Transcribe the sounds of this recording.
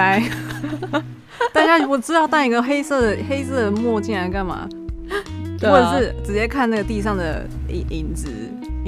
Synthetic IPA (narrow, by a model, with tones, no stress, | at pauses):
a˧˥ɪ | t̪a˥˧n˥˩ɔ˨˥˩ʈ͡ʂɻ̩˥t̪ɑ˥˧ʊt̪a˥˧˩i˧˥ɡə˧xe˥ɪsɤ˥˩d̪ə˩xe˥ɪsɤ˥˩d̪ə˩mwɔ˥˧t͡ɕi˥˩na˧˥ɪka˥˩nma̰˩ | ɔ˥˩ʈ͡ʂə˩ʂɻ̩˥˩ʈ͡ʂɻ̩˨˩t͡ɕjɛ˥˧kʰa˥˧na˥˩ɡə˩t̪i˥˧ʂɑ˥˩ŋd̪ə̰˩ḭ˨ʔi˨˩nʈ͡ʂɻ̩˨˦